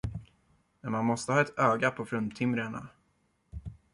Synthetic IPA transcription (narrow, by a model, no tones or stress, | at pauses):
mɛnmanmɔst̪əhɑːɛt̪øːɡapʰɔfɾɵnt̪ʰɪmɾəɳa̰